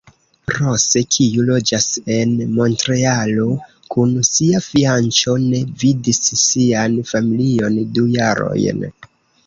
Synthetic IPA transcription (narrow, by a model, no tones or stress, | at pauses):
ɾo̞se̞kʰiulo̞d͡ʒase̞nmo̞ntɾe̞alo̞ | kʰunsiafiant͡ʃo̞ne̞vidisːianfamilio̞ndujaɾo̞̰jn